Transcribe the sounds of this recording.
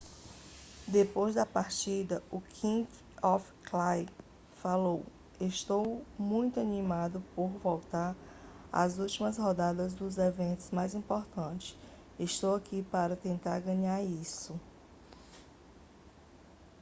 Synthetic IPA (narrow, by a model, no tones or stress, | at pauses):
d̪epojzd̪ɐpaɾt͡ʃid̪ɐʊkʰĩk | ɔfklaj | falow | eʃt̪owmũj̃t̪ʊanĩmad̪ʊpoɾvɔwt̪aɾ | a̰zuwt͡ʃimɐshɔd̪ad̪ɐzd̪ʊzevẽnt̪ʊzmajzĩpɔɾt̪ɐ̃t͡ʃɪ̥s | eʃt̪owakipaɾɐt̪ẽnt̪aɾɡɐ̃ɲaɾisʊ